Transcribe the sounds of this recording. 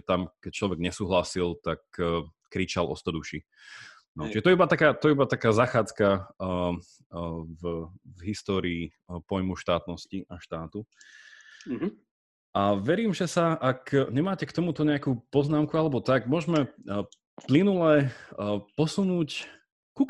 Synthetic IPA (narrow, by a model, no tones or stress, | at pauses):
t̪amkɛc̚t͡ʃlɔʋɛɡɲɛsuːɦlasilt̪ak̚ː | kɾit͡ʃalʔɔ̰st̪ɔd̪uʃi | nɔt͡ʃiʒɛt̪ɔɛibat̪akaːt̪ɔɛibat̪akaːzaxaːt͡ska | vvɦist̪ɔːɾiː | pɔjmuʃt̪aːt̪nɔsciʔaʃt̪aːt̪u | ʔaʋɛɾiːmʒɛsaakɲɛmaːcɛkt̪ɔmut̪ɔɲɛakuːpɔznaːmkualɛbɔt̪aɡmʊɔʒmɛ | plinulɛ | pɔsunuːc | ku